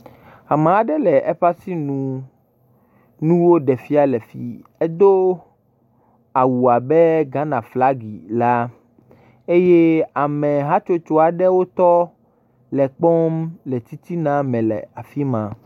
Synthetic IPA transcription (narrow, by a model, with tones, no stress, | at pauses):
a˨mã˨a˨ɖɛ˦lɛ˨ʔɛ˦ɸa˦si˦nũ˨ | nũ˦wo˦ɖɛ˨fi˦a˨lɛ˨fḭ˦ɛ˦d̪o˦ | a˨wu˨a˨bɛ˦ɡã˦nã˨fla˦ɡi˨la˦ | e˦je˦a˨mɛ̃˨ɦa˦t͡ʃo˦t͡ʃo˦a˨ɖɛ˦wo˦t̪ɔ˦ | lɛ˨k͡pɔ˦mlɛ˨t̪i˦t̪i˦nã˦mɛ̃˨lɛ̰˨a˨fi˦mã˨